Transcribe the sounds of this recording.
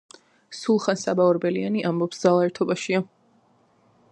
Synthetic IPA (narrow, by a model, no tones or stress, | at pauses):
sulˠχansabaɔɾbɛlianiʔambɔpsd̪zalˠaɛɾt̪ʰɔbaʃia